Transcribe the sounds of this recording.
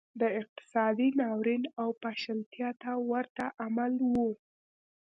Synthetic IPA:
d̪əɪq̚t̪ɪ̥sɑd̪inɑwɾinawpaʃalt̪jɑt̪awaɾt̪aʔamalwu

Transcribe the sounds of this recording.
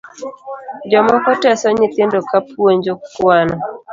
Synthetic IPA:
d͡ʒɔmɔkɔtɛsɔɲɪt̪ɪndokapweɲd͡ʒokwanɔ

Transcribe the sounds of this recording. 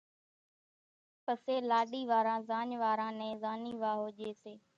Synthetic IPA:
pəseːlaːɗiːʋaːɾãːzãːɲʋaːɾãːnɛ̃ːzaːniːʋaːɦoːʄeːseː

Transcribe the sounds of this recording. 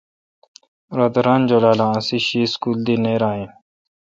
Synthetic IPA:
ɾad̪əɾaːnd͡ʒolaːlãːsiɕiːskuːld̪ineːɾaːɦĩː

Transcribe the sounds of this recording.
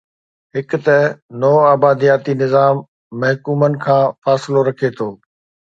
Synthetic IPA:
ɦɪkʊt̪ɛnɔːaːbaːd̪ijaːt̪inɪzaːmː | ɐɦkuːmənɪ̆kʰãːfaːsɪloɾɐkʰet̪ʰoː

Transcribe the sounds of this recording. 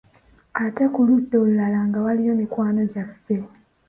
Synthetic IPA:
ate̞kulutːolːalaŋɡawalijo̞mikwaːno̞ɟafːe̞

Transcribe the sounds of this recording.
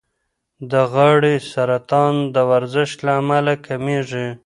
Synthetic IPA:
d̪əɣaɽisaɾat̪ɑnd̪əwaɾzɪʃt̪laːmalakʰameʐi

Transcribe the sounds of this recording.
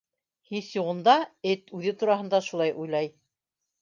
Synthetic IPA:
hiθjuʁɤ̆nd̪ɑɘt̪ʉðɘt̪uɾɑɦɤ̆nd̪ɑʃulˠɑjʔujlˠɑj

